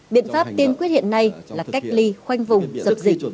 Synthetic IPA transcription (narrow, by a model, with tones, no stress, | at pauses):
ɓḭ˧˨ənfaː˦˥p̚t̪i˧ənkwi˦˥t̚hḭ˧˨ənːa˧jlaː˨˩ka˦˥jk̟̚li˧xwa˧jŋ̟vʊ˨˩ŋ͡mzə˨˩p̚zï˨˩k̟̚